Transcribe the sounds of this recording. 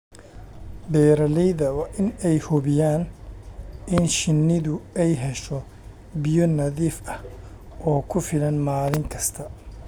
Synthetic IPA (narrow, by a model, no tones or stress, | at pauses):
bɛːɾɐlɛjðɐwɑːʔɪnɛjhɔβɪjaːn | ʔɪnʃɪnːɪðʊɛjɦɛʃɔ | bɪjɔnɐðiːfɐh | ʔɔːkʰʊfɪlɐnmaːlɪŋkʰɐst̪ʰɐ